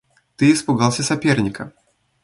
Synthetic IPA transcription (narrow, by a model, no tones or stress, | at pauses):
t̪ɨɪspʊɡɑlˠsʲɐsɐpʲernʲɪkə̰